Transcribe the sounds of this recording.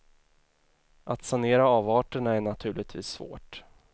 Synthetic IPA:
ʔat̪saneːɾaːvɑːʈəɳaæɳat̪ʰʉ̟ːɭɪt̪ʰvḭːsːvo̰ːʈ

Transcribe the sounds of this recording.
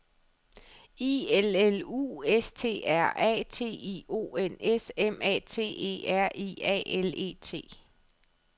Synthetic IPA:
ielelṵːest͡sʰe̝̰ːæɐ̰ɛ̰ːt͡sʰe̝̰ːio̝̰ːenesemɛ̰ːt͡sʰe̝̰ːe̝̰ːæɐ̰ʔiɛ̰ːele̝̰ːt͡sʰe̝̰ː

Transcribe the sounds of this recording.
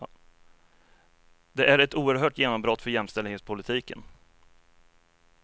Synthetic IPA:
d̪ɛʔæɾɛt̪uːəɾɦœːʈjeːnɔmbɾɔt̪ːfœɾjɛmːst̪ɛld̪heːt̪spʰʊlɪt̪ʰiːkə̰n

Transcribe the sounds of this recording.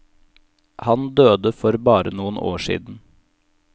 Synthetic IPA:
hɑnd̪øːd̪əfɔɾbɑːɾənuːənʔo̰ːʃḭːd̪n̩

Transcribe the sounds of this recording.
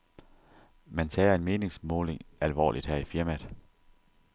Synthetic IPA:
mænt͡sʰɛ̰ːe̝nme̝ːne̝ŋsmɔːle̝ŋælʋɒ̰ːlid̥hæɐ̰ifiɐmæðˠ

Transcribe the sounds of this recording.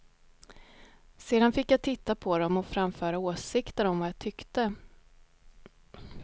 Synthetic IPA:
seːd̪anfɪkːjat̪ʰɪt̪ːapʰɔd̪ɔmɔfɾamfœːɾaoːsɪkt̪əɾɔmvajat̪ʰʏkt̪ə

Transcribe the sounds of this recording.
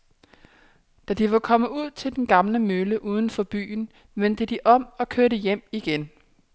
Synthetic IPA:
d̥æd̥iʋɑ̈kʰɒ̽məuð̞̰ˠt͡sʰe̝ld̥enɡ̥ɑ̈mləmøləʔuːð̞ˠn̩fɒ̽b̥y̰ːn | ʋend̥əd̥iʔɒ̽m̰ɒ̽kʰøɐɾəjem̰iɡ̥en

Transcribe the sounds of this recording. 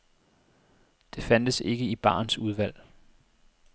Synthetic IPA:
d̥e̝fænd̥əse̝ɡ̥əib̥ɑ̰̈ːnsuð̞ˠʋæl̰

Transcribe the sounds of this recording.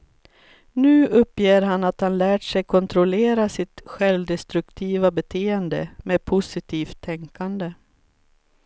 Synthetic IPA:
nʉ̟ːɵpːjeːɾɦanat̪hanlæːʈʂɛjkʰɔnt̪ʰɾʊleːɾasɪt̪ɧɛlvd̪ɛst̪ɾɵkt̪ʰiːvabɛt̪ʰeːɛnd̪ə̰meːd̪̚pʰʊsɪt̪ʰiːft̪ʰːɛŋkand̪ə

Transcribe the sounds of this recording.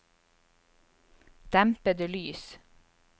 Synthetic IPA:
d̪̥æmpəd̪ʉːlyːs

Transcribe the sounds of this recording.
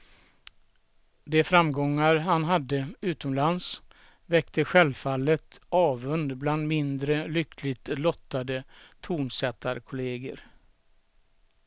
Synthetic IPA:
d̪ɛfɾamɡɔŋːaɾhanɦad̪ːəʉ̟ːt̪ɔmlans | vɛkt̪ʰəɧɛlfalːət̪ɑːvɵnd̪bland̪mɪnd̪ɾəlʏkʰlɪɡt̪lɔt̪ːad̪ət̪ʰuːɳsɛt̪ːaɾkʰʊleːɡə̰ɾ

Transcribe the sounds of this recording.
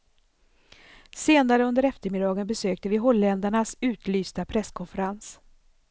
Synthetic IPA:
seːnaɾəɵnd̪əɾɛft̪əɾmɪd̪ɑːɡənbɛsøːkt̪əvɪɦɔlːɛnd̪aɳasʉ̟ːt̪lyːst̪apʰɾɛskʰɔnfəɾans

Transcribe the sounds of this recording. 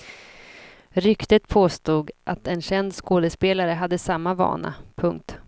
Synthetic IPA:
ɾʏkt̪ət̪pʰoːst̪uːɡʔat̪ɛnɕɛnd̪skoːd̪əspeːlaɾəɦad̪ːəsamːavɑ̰ːɳa̰pʰɵŋk̚t̪

